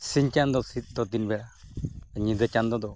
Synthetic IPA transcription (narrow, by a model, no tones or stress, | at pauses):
siɲt͡ʃand̪ɔsit̪̚ˀd̪ɔd̪inbɛa | ɲid̪ət͡ʃand̪ɔd̪ɔ